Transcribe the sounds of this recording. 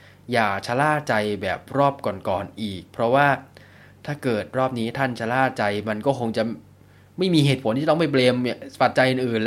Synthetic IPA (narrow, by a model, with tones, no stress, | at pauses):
jaː˨˩t͡ɕʰa˧laː˥˩t͡ɕa˧jbɛː˨˩p̚ɾɔː˥˩p̚kɔː˨˩nkɔː˨˩nʔiː˨˩k̚pʰɾɔ˦˥waː˥˩ | t̪ʰaː˥˩kɤː˨˩t̪̚ɾɔː˥˩p̚niː˦˥t̪ʰa˥˩nt͡ɕʰa˧laː˥˩t͡ɕa˧jma˧nkɔː˥˩kʰo˧ŋt͡ɕa˨˩ | ma˥˩jmiː˧heː˨˩t̪̚pʰo˩˦niː˥˧˩t̪ːma˥˩p̬leː˧m˧˩pa˨˩t̪̚t͡ɕa˧jʔɯː˨˩nʔɯː˨˩nl